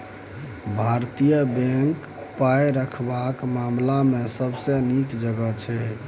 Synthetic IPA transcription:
bʱaɾt̪ijəbẽŋk | pajɾəkʰbakmamlamesəbsənikd͡ʒəɡət͡ʃʰɛ

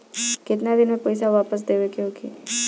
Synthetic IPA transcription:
kɪt̪nad̪ɪnmẽpəjs̬aʋaːpəs̬d̪eʋekiɦoːkʰḭː

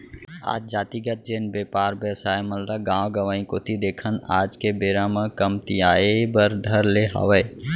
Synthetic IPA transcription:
a̰ːd͡ʒd͡ʒaːt̪iɡət̪̚d͡ʒeːnbeːpaːɾbjəsaːeməlɾaɡãːwɡəʋãːĩkot̪ʰid̪eːkʰəna̰ːd͡ʒkebeɾamə̃kəmt̪ijaːebəɾd̪ʱəɾleɦa̰ʋəe

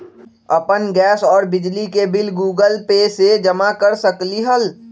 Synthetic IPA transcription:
ɐpənɡɛːsɔːɾbɪd͡ʒlikebɪlɡuːɡəlpesed͡ʒɐmakəɾsəkliɦəl

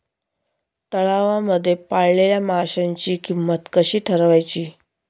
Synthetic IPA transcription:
t̪əɭaʋaməd̪ʱːjepaɭleljamaɦɕaɲt͡ɕiːkimːət̪kəɕiːʈʰəɾʋajt͡ɕiː

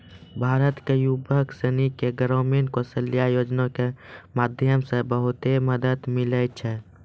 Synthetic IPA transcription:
bʱaːɾət̪kejubʱəksənikeɡəɾəɾmeɳʈkosəlːijajoːd͡ʒnõkemaːd̪ʱjəmsebəɦʊt̪eməd̪əd̪mɪlət͡ʃʰɛ

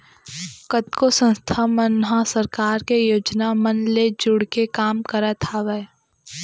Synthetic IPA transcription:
kət̪kosə̃nst̪ʰamənɦasəɾkaːɾkejoːd͡ʒnamənled͡ʒʊɽkekaːmkəɾat̪ʰaʋɛ

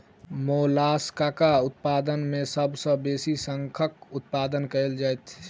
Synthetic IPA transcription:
molaskakaʊt̪̚pad̪ənmesəbsə̃besisəŋkʰəkʊt̪̚pad̪ənkəeld͡ʒajt̪ʰ

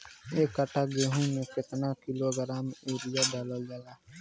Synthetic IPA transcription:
eːkːəʈʰaːɡeːɦũːnẽːkɪt̪naːkɪloːɡəɾaːmeːɾɪjaːɖaːləld͡ʒaːjaː

